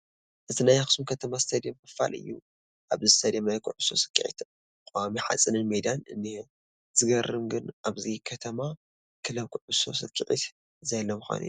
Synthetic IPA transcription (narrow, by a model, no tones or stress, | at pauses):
ʔɨt̪ʰɨnajaxɨ̥sumkʰɐt̪ʰɐmazɨ̥t̪ʰɐd̪emkɐfa̰lɨ̰jːu | ʔaβzɨɨt̪ʰɐd̪emajkʰuʕuso̞sɨ̥kʰʼːiʕḭt̪ | kʼoamiħa̰t͡sʼɨnɨnmed̪anɨ̰nːi | z̥ɨɡɐrɨmɡɨnʔaβzikʰɐt̪ʰɐma | kʰɨlɐβkʰʊʕʊso̞̰sɨkʰʼːiʕḭt̪ | zɐlːɐmɨxa̰nʔɨ̰ju